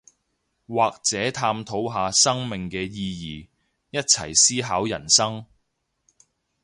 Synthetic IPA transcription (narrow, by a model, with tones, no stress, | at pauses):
waː˨k̚t͡sɛː˨˥t̪ʰaː˧mt̪ʰo˨˥wɦaː˨˧sɐ˥ŋmɪ˨ŋkɛː˧jiː˧jiː˨ | jɐ˥t̚t͡sʰɐ̰˨˩jsiː˥ɦaː˨˥wjɐ̰˨˩nsɐ˥ŋ